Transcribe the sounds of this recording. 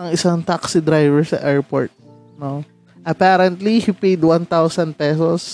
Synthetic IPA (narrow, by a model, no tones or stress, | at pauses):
ɐŋɪsaŋt̪aksɪd̪ɾajvɛɹsɐ̰ʔɛɹpo̰ɹt̪̚ | no | ʔɐpaːɾɐnt̪lihipejd̪want̪awsɐnd̪̚pɛsos